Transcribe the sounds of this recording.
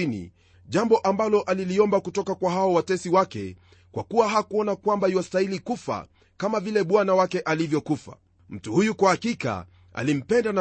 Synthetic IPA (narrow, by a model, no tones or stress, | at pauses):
inḭ | ʄambɔʔambalɔʔaliliɔmbakutɔkakwaɦaɔwatɛsiwakɛ̰ | kwakuwaɦakuɔnakwambahiwastailikufa̰ | kamavilɛɓwanawakɛʔalivjɔkufa̰ | m̩tuhujukwahakika̰ | a̰lim̩pɛndana